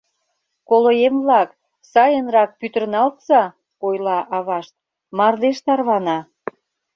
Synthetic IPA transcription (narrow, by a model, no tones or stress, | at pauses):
kolojemβlɑk | sɑjənrɑk̚pyt̪ərnɑlt̪zɑ | ojlɑʔɑβɑʃt̪̚ | mɑrd̪eʃt̪ɑrβɑnɑ